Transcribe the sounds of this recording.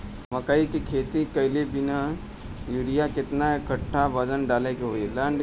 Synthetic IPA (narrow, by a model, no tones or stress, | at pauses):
mɐkaikikʰeːt̪ikɐɪlebɪna | juɽijakɪt̪naekəʈʰːaʋəd͡ʒənɖaːlekeɦoːilə̃ːɳɖ